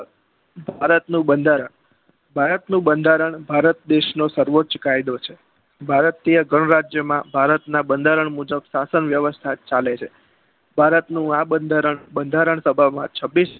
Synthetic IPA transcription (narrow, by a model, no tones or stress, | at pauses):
bʱaɾət̪nũbənd̪ʱaɾəɳ | bʱaɾət̪nũbənd̪ʱaɾəɳbʱaɾət̪̚d̪eʃnosəɾʋott͡ʃkajd̪ot͡ʃʰe | bʱaɾt̪ijəɡəɳ̃ɾad͡ʒjəmãbʱaɾət̪nabənd̪ʱaɾəɳmud͡ʒəbsasənʋjəʋəst̪ʰat͡ʃalet͡ʃʰe | bʱaɾət̪nũabənd̪ʱaɾəɳbənd̪ʱaɾəɳsəbʱamã̰t͡ʃʰəbːis